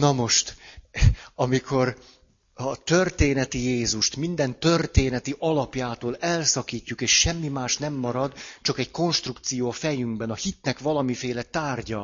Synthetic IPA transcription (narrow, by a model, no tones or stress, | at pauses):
nɒmo̞ʃt̪ | ɒmikʰo̞r | ɒt̪ørt̪eːnɛt̪ijeːzuʃt̪mind̪ɛnt̪ø̞rt̪eːnɛt̪iʔɒlɒpjaːt̪oːlɛlsɒkiːcːukeːʃʃɛmːimaːʃnɛmːɒɾɒd̪t͡ʃɒkɛɟko̞nʃt̪rukt̪sijoːfɛjyŋɡbɛnɒhit̪nɛkʋɒlɒmifeːlɛt̪aːrɟɒ